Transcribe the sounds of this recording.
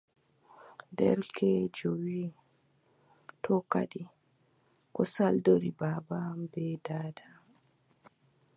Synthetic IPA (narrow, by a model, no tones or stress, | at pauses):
dɛ̰ɾkʰɛd͡ʒowiː | tʰɔka̰ɗi | ʔɔsaldoɾibaːbabɛdaːda